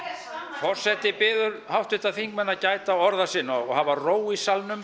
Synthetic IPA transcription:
fɔr̥sɛt̪ɪpɪːðʏɾhawht̪ɪt̪aðθiŋkmɛnːacaːjt̪aɔɾðasɪnːahavaroːwisalnʏm

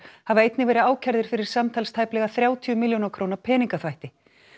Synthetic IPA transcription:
havaejt̪nɪvɛːɾɪaːwcʰɛɾðɪɾ̥fɪɾɪɾ̥samt̪ʰalst̪ʰajplɛɣaθɾjaːwt̪ʰiʏmɪljonakʰɾoːwnapʰɛːniŋkaθvajht̪ɪ

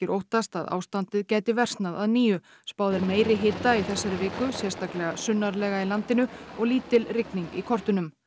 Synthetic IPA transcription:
ɪɾʔowht̪ast̪a̰ða̰ːwst̪ant̪ɪðcɛːjt̪ɪvɛr̥st̪naðaðniːjʏ | spaːwðɪɾmeːjɾɪɦɪːt̪ːaiθɛsːaɾʏvɪːkʏsjɛr̥st̪aklɛɣasʏnːaɾlɛːɣailant̪ɪnʏɔɣliːt̪ɪlrɪkniŋkikʰɔr̥t̪ʏnʏm

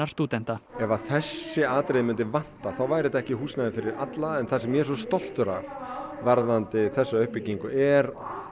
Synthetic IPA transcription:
aɾ̥st̪uːt̪ɛn̥t̪aɛvaθɛsːɪaːt̪ɾejðmʏnt̪ɪvan̥t̪aθawvajɾɪt̪ɛhcɪhuːsnaðɪfɪɾɪɾat̪laɛnθasɛmːjɛsɔst̪ɔl̥t̪ʏɾavvaɾðant̪ɪθɛsːaʏhpɪciŋkʏʔɛɾ

